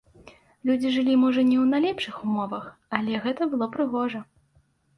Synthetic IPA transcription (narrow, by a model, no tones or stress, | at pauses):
lʲud͡zʲiʐɨlʲimɔʐɐnʲɛwnalʲɛpʂɨxumɔvɐxɐlʲɛɣɛt̪ɐbɨlˠɔpɾɨɣɔʐɐ